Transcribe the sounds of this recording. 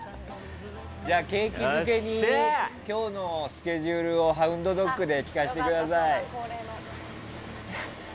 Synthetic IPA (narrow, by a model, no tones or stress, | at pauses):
d͡ʑaːke̞ːkʲimɯ̟ke̞ɲ̟ikʲo̞ːno̞sɨ̥kʲe̞ʑɯːɾɯ̟o̞ɦaɯ̟̃nd̪o̞d̪o̞kːɯ̟d̪e̞kʲi̥kaɕi̥t̪e̞kɯ̟d̪asai